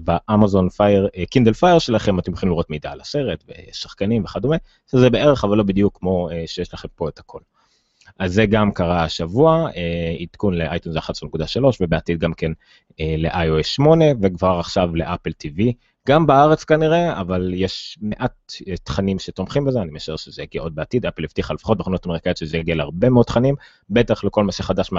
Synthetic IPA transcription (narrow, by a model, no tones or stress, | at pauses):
baʔamazo̞nfajeʁekind̪elfajeʁʃelaχemat̪emχimliʁo̞tmid̪aːlase̞ʁetvḛsaχkanimveχad̪ome | ʃezebee̞ʁeχavalːo̞bid̪ijukːmo̞eʃejeʃlaχe̞mpo̞et̪hakʰo̞l | azːeɡamkaʁaʃavuaeit̪kunleʔajtunzaχatsonekud̪aʃalo̞ʃvebeat̪id̪̚ɡamken | eleʔajoesʃmo̞ne̞vekvaʁaχʃavle̞̰ʔapelt̪ivi | ɡambeaaʁet͡skaniʁe̞avaljeʃmeʔat̪et̪χanimʃet̪omχimbezeanimeaʃeʁʃezejaɡiaʔo̞d̪̚beat̪id̪apelift̪iχalefḁχo̞t̚beχanot̪ameʁkajotʃezejaɡelhaʁbe̞meod̥̪̚tχanim | bet̪aχleko̞lmaʃeχad̪aʃme